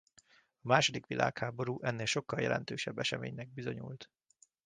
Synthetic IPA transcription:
ɒmaːʃod̪ikʋilʔa̰ːkhaːbo̞ɾuːʔɛnːeːlʃo̞kːɒljɛ̰lɛ̰nt̪øːʃɛbːɛʃɛmḛːɲnɛɡ̚bizo̞ɲṵlt̪

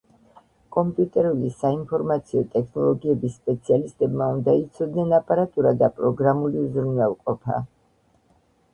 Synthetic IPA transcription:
kʼɔmpʼjut̪ʼɛɾulisainpʰɔɾmat̪sʰiɔt̪ʼɛkʰnɔlˠɔɡiɛbisːpʼɛt̪sʰialist̪ʼɛbmaund̪ait̪sʰɔd̪nɛnapʼaɾat̪ʼuɾad̪apʼɾɔɡɾamulizɾnwɛlˠqʼɔpʰa̰

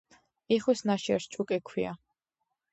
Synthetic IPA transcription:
iχwisnaʃɛ̰ɾt͡ʃʼukʼɛkʰwia̰

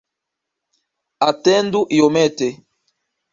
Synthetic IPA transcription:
atɛnduʔiomɛte

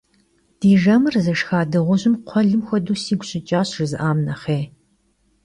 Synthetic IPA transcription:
d̥iːʒɐmɨrzɐʂxaːdɨʁʷʊʑɪmqʷʰɔɮɨmxʷɔduːsiːɡʷɕɪt͡ʃʼaːɕrɨzɨʔaːmnɐχeː

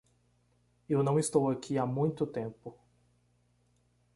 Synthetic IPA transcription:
ewnɐ̃w̃ist̪owakʰiamũj̃t̪ʊt̪ẽmpʊ

